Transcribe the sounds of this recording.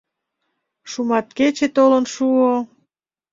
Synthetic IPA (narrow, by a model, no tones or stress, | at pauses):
ʃumɑt̪ket͡ɕet̪olə̆nʃuo